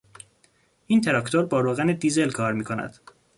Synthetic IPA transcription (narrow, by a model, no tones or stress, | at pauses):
ʔiːnt̪ʰe̞ɾɒːkt̪ʰoɾbɒːɾoːɣæned̪iːze̞lkʰɒːɾmiːkʰonæ̰d̪̥